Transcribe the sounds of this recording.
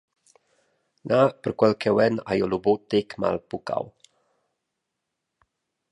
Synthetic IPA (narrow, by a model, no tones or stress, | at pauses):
nʔapərkwɛlkɛwɛna̰jolobot̪ekma̰lpuka̰w